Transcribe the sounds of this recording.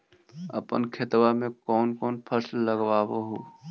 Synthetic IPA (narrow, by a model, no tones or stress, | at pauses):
ɐ̰pə̰nkʰɪt̪wamẽkɔːnkɔːnpʰəslləɡwaːwoɦoː